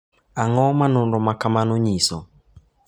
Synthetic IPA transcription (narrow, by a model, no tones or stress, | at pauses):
aŋɔmanʊnɾɔmakamanʊɲisɔ̰